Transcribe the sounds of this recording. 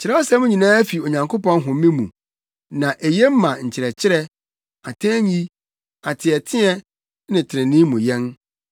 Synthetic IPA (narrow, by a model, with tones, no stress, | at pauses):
t͡ɕʰɪ˨ɾɛ˦ɔ˦sɛ˦mʊ̃˦ɲĩ˨nãː˦æ˦fi˨o˨ɲã˨ŋkʰo˦pɔ̃˦n˦ɦʊ̃˨m̩˦ĩ˦mṵ̃˨ | nã˨ʔe˨je˦m̩˦mã˨ɲ̩˨t͡ɕʰɪ˨ɾɛ˨t͡ɕʰɪ˦ɾɛ˦ | a˨tʰɛ̃˦ɲi˦ | a˨tʰɪ˨ɛ˨tʰɪ̃˦ɛ˦ | nɪ̃˨tʰɪ˨ɾɪ̃˨nɪ̃˦mũ˨jɛ̃˦n